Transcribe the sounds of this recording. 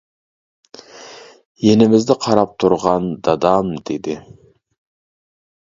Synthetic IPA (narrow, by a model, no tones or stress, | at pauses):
je̞nɪmɪzd̪ɪqʰɑɾɑp̚t̪ʰʊɾʁɑnd̪ɑd̪ɑmd̪̥ed̪ɪ